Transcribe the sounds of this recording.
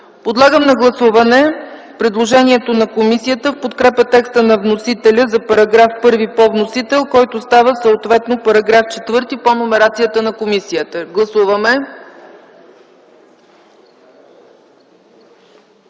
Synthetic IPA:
pod̪lˠaɡəmnɐɡlˠɐsuvɐnɛ | pɾɛd̪lˠoʒɛniɛt̪onɐkomisiət̪əfpot̪kɾɛpət̪ɛkst̪ənɐvnosit̪ɛlʲəzɐpɐɾɐɡɾafpɤɾvipɔvnosit̪ɛlˠkɔjt̪ost̪avəsəot̪vɛt̪nopɐɾɐɡɾaft͡ʃɛt̪vɤɾt̪iponomɛɾat̪sijət̪ənɐkomisijət̪əɡlˠɐsuvəmɛ

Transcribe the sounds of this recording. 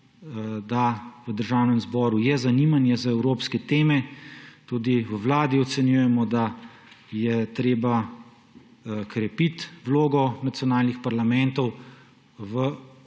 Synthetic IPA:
d̪aʋəd̪əɾʒawnɛmzbɔːɾujɛzanimanjɛzaɛwɾoːpskɛt̪eːmɛt̪ud̪iʋəwlaːd̪iɔt̪sɛnjujɛmɔd̪a | jɛt̪ɾeːba | kɾɛpit̪ʋloːɡɔnat̪sjɔnaːlnixpaɾlamɛnt̪ɔw | ʋə

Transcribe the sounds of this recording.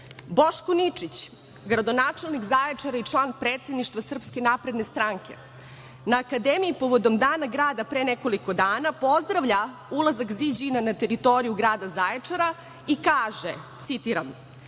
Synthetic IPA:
bo̞ʃkonit͡ʂit͡ɕ | ɡɾad̪o̞naːt͡ʂe̞lˠnikzaːjet͡ʂaɾait͡ʂlˠaːnpɾeːt̪sed̪niʃt̪vasr̩pske̞naːpɾe̞d̪ne̞st̪ɾaːŋke̞̰ | naːkad̪emiipo̞ʋo̞d̪o̞md̪aːnaɡɾaːd̪apɾeneko̞liko̞d̪aːnapo̞zd̪ɾaʋʎa | ulˠazakzid͡ʑinanat̪e̞ɾit̪o̞ɾijuɡɾaːd̪azajeaɾa | ikaːʒet̪sit̪iɾam

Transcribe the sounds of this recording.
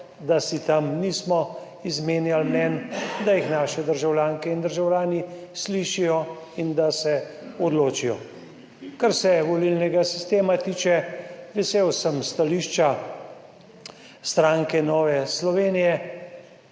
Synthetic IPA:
d̪asit̪amniːsmɔ | izmeːnjalmnɛnd̪ajixnaːʃɛd̪əɾʒawljaːŋkɛind̪əɾʒawlʲjaːnisliʃijɔ | ind̪asɛ | ɔd̪loːt͡ʃijɔ̰ | kaɾsɛʋɔlilnɛɡasi̥st̪eːmat̪iːt͡ʃɛʋɛseːwsəmst̪aliʃt͡ʃa | st̪ɾaŋkɛnɔːʋɛslɔʋeːnijɛ

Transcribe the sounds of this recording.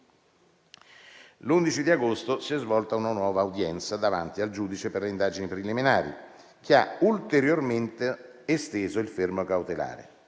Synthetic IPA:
lund̪it͡ʃid̪iaɡost̪osiɛzvɔlt̪aunanwɔːvaːud̪jɛnt̪sad̪ava̰nt̪iald͡ʒuːd̪it͡ʃeperleind̪aːd͡ʒinipɾiliminaːɾḭ | k̟eault̪eɾjorment̪eːst̪eːzoilfermokawt̪ela̰ːɾḛ

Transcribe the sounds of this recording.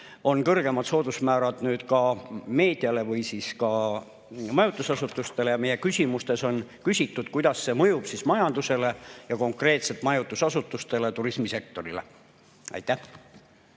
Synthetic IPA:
o̞nkɤrɡ̥e̞mɑt̪so̞ːd̪̥usmæːɾɑd̪̥nyːd̪̥kɑme̞ːd̪̥iɑle̞vɯjsiːskɑ | mɑjut̪ˑːusɑsut̪ːˑust̪e̞lejɑme̞je̞kysʲimust̪e̞so̞nkysʲit̪ːˑud̪̥̚kujd̪̥ɑsːe̞mɤjub̥sismɑjɑnd̪̥use̞le̞jɑko̞ŋkre̞ːt̪set̪mɑjut̪ːˑusɑsut̪ːˑust̪e̞let̪uɾismise̞k̚t̪o̞ɾile̞̰ | ʔɑ̰jt̪ːæh

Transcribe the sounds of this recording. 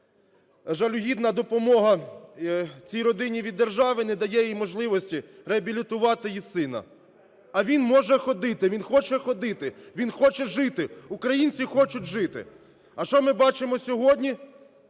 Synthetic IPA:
ʒɐlʲʊɦʲid̪nɐd̪ɔpɔmɔɦɐ | t͡sʲijɾɔd̪ɪnʲiʋʲid̪ːerʒɑʋɪnɛd̪ɐjɛjjjmɔʒlˠɪʋɔsʲtʲiɾeɐbʲilʲit̪ʊʋɑt̪ɪjisɪnɐ̰ | ɐʋʲinmɔʒɛxɔd̪ɪt̪ɪʋʲinxɔt͡ʃɛxɔd̪ɪt̪ɪʋʲinxɔt͡ʃɛʒɪt̪ɪukɾɐjinʲt͡sʲixɔt͡ʃʊt̚ʲʒɪt̪ɪ̰ | ɐʃt͡ʃɔmɪbɑt͡ʃɪmɔsʲɔɦɔdʲnʲi

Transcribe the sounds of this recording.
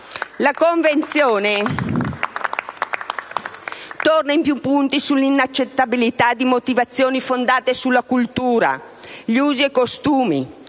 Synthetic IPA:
lakoɱvent̪sjoːne | t̪ornaimpjupːunt̪isulːinat͡ʃːet̪ːabilit̪ad̪imot̪ivat̪sːjoːnifond̪aːt̪esulːakult̪uːɾa̰ | ʎuːziekːost̪uːmi

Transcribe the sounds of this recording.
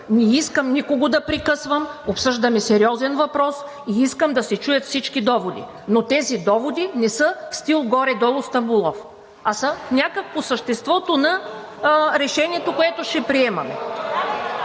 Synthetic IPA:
nɛiskəmnikoɡod̪ɐpɾikɤsvəmopsɤʒd̪ɐmɛsɛɾiɔzɛnvɐpɾɔs | iiskəmd̪ɐsɛt͡ʃujɐt̪fsit͡ʃkid̪ɔvod̪ḭ | not̪ɛzid̪ɔvod̪inɛsəfst̪ilˠɡɔɾɛd̪ɔlˠʊst̪ɐbulˠɔf | ɐsɐnʲakək̚posəʃt̪ɛst̪vɔt̪onɐ | ɾɛʃɛniɛt̪okoɛt̪oʃɛpɾiɛmɐmɛ̰

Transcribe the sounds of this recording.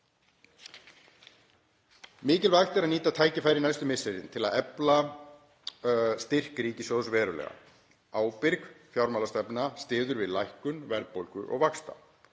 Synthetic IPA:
mɪːcɪlvaxt̪ɛɾaðniːt̪at̪ʰaːjcɪfaːjɾɪnajst̪ʏmɪseɾɪ̰nt̪ʰɪlaðɛpla | st̪ɪr̥kɾiːcɪsjoðʏsvɛːɾʏlɛ̰ɣa̰ | aːwpɪɾkfjawɾmawlast̪ɛpnast̪ɪːðʏɾvɪðlajhkʏnvɛɾpowlkʏʔɔ̰ɣvakst̪a̰

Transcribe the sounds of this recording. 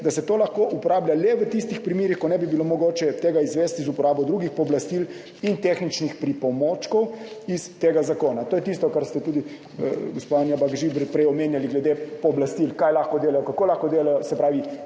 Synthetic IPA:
d̪asɛt̪oːlaxkoʔupɔɾaːblʲalɛʋət̪ist̪ixpɾimeːɾixkɔnɛbibilomɔɡoːt͡ʃɛt̪eːɡaizʋɛst̪izupɔɾaːbɔwd̪ɾuɡixpɔblast̪il | int̪eːxnit͡ʃnixpɾipɔmoːt͡ʃkɔwist̪eːɡazakoːnat̪oːjɛt̪ist̪ɔkaɾst̪ɛt̪uːd̪i | ɡospaanjabaɡʒibɾpɾɛjɔmeːnjaliɡlɛd̪epɔblast̪ilkajlaxkɔd̪eːlajɔkakoːlaxkɔd̪eːlajɔsɛpɾaːʋi

